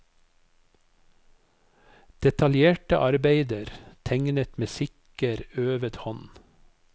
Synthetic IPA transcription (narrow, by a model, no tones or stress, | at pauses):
d̪̥ɛt̪ɑljeːʈə̰ʔɑɾbeɪd̪əɾt̪ʰæŋnət̪meːsɪk | əɾøːʋət̪hɔn